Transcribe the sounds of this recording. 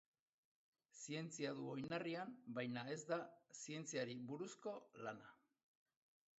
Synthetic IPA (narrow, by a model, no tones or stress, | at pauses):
sie̞nt͡siaðuojnariambajnae̞zd̪asie̞nt͡siaɾiβuɾusko̞lana